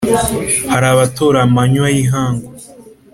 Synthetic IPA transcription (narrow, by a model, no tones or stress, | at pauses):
haɾaβat̪ʰoɾamaɲwaiɦãŋɡo